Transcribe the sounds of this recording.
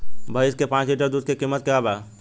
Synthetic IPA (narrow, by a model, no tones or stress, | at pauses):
bʱəɪskepãːt͡ʃliʈəɾd̪uːd̪̚kekimːət̪̚kɐaːbaː